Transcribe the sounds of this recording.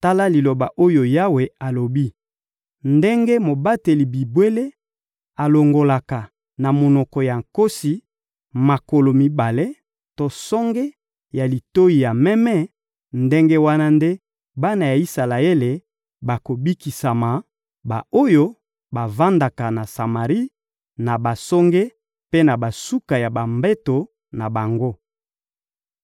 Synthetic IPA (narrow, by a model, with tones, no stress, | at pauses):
ta˦la˦li˨lo˨ba˨ʔo˦jo˨ja˦we˨a˨lo˨bi˦ | nde˦ŋɡe˦mo˨ba˦te˨li˨bi˨bwe˦le˦ | a˨lo˨ŋɡo˨la˨ka˨ | na˨mo˨nɔ˨kɔ˨ja˨ŋko˦si˨ | ma˨ko˨lo˨mi˦ba˨le˦ | to˦sɔ˦ŋɡe˦ | ja˨li˨to˦ji˨ja˨mɛ˦mɛ˦ | nde˦ŋɡe˦wa˦na˦nde˦ | ba˦na˨ja˨i˦sa˨la˨e˦le˨ | ba˨ko˨bi˦ki˨sa˨ma˨ | ba˨o˦jo˦ | ba˨va˦nda˨ka˨na˨sa˨ma˨ʁi˦ | na˨ba˨sɔ˦ŋɡe˦ | pe˦na˨ba˨su˦ka˨ja˨ba˨mbɛ˦to˨ | na˨ba˨ŋɡo˦